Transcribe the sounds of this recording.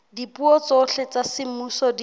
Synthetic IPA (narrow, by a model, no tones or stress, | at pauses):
dipuɔt͡soɬet͡sasɪmusɔdi